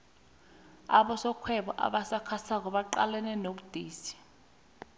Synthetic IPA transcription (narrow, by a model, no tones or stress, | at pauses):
a̰ɓɔsɔkʰwɛɓɔʔa̰ɓasakʰasak̬ɔɓaǃa̰lɛnɛnoɓud̥ʱiːsi̥